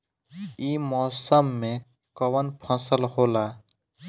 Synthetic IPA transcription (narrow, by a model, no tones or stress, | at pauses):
iːmɔːsəmːẽ | kəʋənpʰɔ̃səlhoːlaː